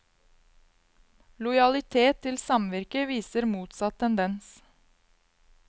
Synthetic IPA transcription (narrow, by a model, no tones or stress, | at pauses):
lʊjɑlɪt̪ʰeːt̪ʰːɪlsɑmʋɪɾkəʋiːsəɾmuːt̪sɑt̪ʰɛnd̪ɛns